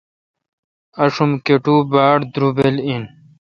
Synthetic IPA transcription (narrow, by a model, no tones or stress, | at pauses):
ɐʂumkeʈuːbaːɽd̪ɾubelin